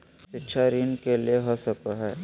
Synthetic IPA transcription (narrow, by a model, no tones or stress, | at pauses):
ʃɪtːʃʰaɾiːnkelieɦosək̚taɦɛː